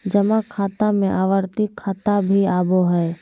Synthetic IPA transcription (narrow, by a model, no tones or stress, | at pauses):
d͡ʒəmakʰːaːt̪amẽʔaːʋəɾt̪ikʰːaːt̪abʱiaːboɦɛ